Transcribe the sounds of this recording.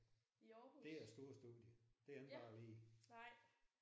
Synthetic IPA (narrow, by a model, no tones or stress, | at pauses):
d̥e̝æɐsd̥o̝ɐsd̥uð̰ˠjəd̥e̝ænd̥ʁɑ̈ːli̥ː